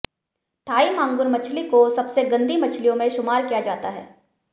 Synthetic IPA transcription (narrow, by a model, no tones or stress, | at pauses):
t̪ʰaːimãːŋɡʊɾmɐt͡ʃʰlikosɐbseɡɐ̃nd̪imɐt͡ʃʰlijõmẽʃʊmaːɾkijad͡ʒaːt̪aɦɛ̰ː